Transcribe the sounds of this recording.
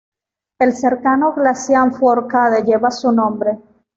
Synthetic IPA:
e̞lseɾkanoɣlasjaɱfwoɾkaðeʝe̞βasunõmbɾe̞

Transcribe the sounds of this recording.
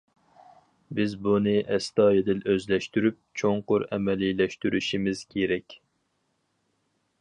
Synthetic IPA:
bɪzbunɨʔɛst̪ɑːjed̪ɪløzlɛʃt̪yɾyp̚t͡ʃʰoŋqʊɾɛ̰mɛlilɛʃt̪yɾyʃimɪz̥kʲʰeɾɛkʲ

